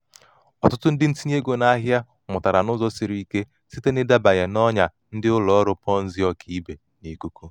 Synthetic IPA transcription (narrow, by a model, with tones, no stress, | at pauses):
ɔ˨tʊ˦tʊ˦n̩˦dɪ˦n̩˦ti˦ɲe˦ɡo˨na˦ɦja˦ | mʊ˨ta˨ɾa˨nʊ˦zɔ˦sɪ˨ɾi˦i˦ke˦ | si˦te˦nɪ˦da˦ba˨ɣe˨nɔ˦ɲa˨ | n̩˦dɪ˦ʊ˦lɔ˨˦ɾʊ˦pɔ˦n̩˦zɪ˦ɔ˦kʰi˦be˨ | ni˦˨ku˦ku˦